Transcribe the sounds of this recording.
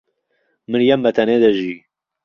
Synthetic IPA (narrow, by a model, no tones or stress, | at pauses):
mɨɾjɐmːɐt̪ʰɐned̪ɐʒi